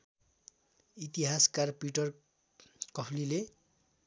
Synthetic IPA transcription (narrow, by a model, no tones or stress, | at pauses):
it̪iɦaskarpiʈʌr | kʌpʰlile